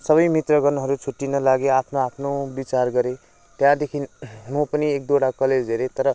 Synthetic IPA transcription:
sʌβʌjmit̪rʌɡʌrnoɦʌɾut͡sʰuʈːinʌlaɡeapʰnoapʰnobit͡sarɡʌɾe | t̪jãd̪ekʰinmopʌniek̚d̪oɽakʌled͡zɦeɾet̪ʌɾʌ

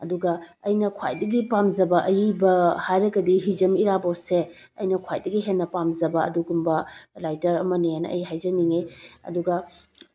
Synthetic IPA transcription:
ɐduɡɐ | ɐjnɐkʰwa̰jdɐɡipamd͡ʒɐbɐʔɐjibɐhajɾɐɡɐdiɦid͡ʒɐmiɾabɐwse | ɐ̰jnɐkʰwajdɐɡiɦenːɐpamzɐbɐɐ̰duɡumbɐlajtɐɾɐmɐnejajnɐɐ̰jɦajzɐniŋeɐ̰duɡɐ

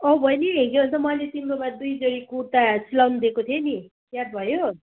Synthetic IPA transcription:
ʌbʱʌjniɡeʌnt͡sʌmʌlet̪imɾobad̪ujd͡zʌɽikut̪asilawnd̪ekot̪ʰieni | jat̪̚bʱʌjo

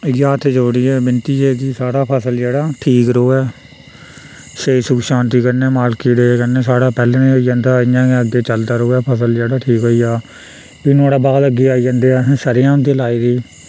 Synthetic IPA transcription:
jaːt̪ʰed͡ʒoːɽiːɛːbɪnt̪iːɛːɡiːsaːɽaːpʰəsəld͡ʒeːɽaːʈʰiːkɾoːɛː | ʃeːsʊkʃãːnt̪iːkəɾnɛːmaːlkiːɽeːkənẽːsaːɽaːpɛːlẽːnẽːɦoiːãːnd̪aːɪjãːkeəɡeːt͡ʃəld̪aːɾoːɛːpʰəsəld͡ʒeːɽaːʈʰiːkɦoːiːaː | ɪnũaːɽaːbaːd̪əɡeːaːiːd͡ʒə̃ːnd̪eːɛ̃ːʃəɾɪjãːʊ̃nd̪eːlaːiːd̪iː

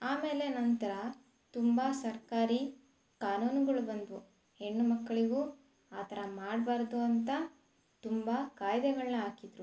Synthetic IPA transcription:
aːme̞ːle̞nɐnt̪ɐɾɐ | t̪umbɐsɐɾkaːɾi | kaːnuːnuɡɐɭubɐnd̪u | he̞ɳːumɐkːɐɭiɡu | aːt̪ʰɐɾɐmaːɽbaːɾd̪uɐnt̪ɐ | t̪umbɐkaːjd̪ɛɡɐɭnɐɦaːkid̪ɾu

